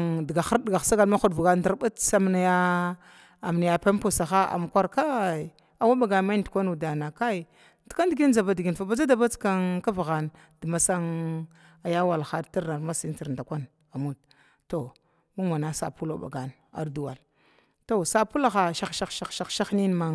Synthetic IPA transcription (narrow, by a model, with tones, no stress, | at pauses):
ŋdi˨ɡa˨xa˦ɾdɡa˨sa˦ɡa˨lma˦xu˨dvu˨ɡa˦n˦da˦ɾba˦tsa˦mna˨ja˦ | a˨m˨na˨ja˨pe˦m˦po˨sa˨xa˦a̰˨m˨kʷa˦ɾka˦˨j | a˨wa˦ɓa˨ɡa˨nma˦i˦ndu˨kʷa˦nu˨da˨na˨ka˦i˨ | di̥˨ka˦ndi˨ɡi˦n˦d͡za˨ba˨di˨ɡi˨n˨fa˨ba˨d͡za˦da˨ba˦t͡ska˦nka˦vɣa˨n | də˨ma˨sa˦ŋ | a˨ja˦wa˨lxa˨dti˦ɾna˨ɾma˦si˦n˦ti˨ɾnda˨kʷa˦n | a˨mu˦t̚ | to˨ | mu˦ŋa˨na˦sa̰˨pu˦lo˨ɓa̰˨ɡa˨n | a̰˨ɾdu˨wa˨l | to˨sa˨pu˦la˨xa˨ʃa˦xʃa˦ʃa˦xʃa˦xʃa˦xni˦n˦ma˦ŋ